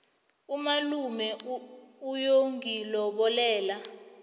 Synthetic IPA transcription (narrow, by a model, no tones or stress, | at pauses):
umalumɛ | ujoŋɡilɔɓɔlɛːla